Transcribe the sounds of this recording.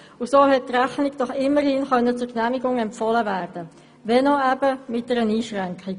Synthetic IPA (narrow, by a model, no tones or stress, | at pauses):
ʊsoːɦɛt̚træχnɪkd̥ɔχɪmːəɾhinχœnːət͡sʊɾknæmiɡʊŋɛmpfɔləvæːɾd̥ə | ʋɛnɔæbəmɪt̚d̥ɛɾəniːʃʁɛŋkχɪɡ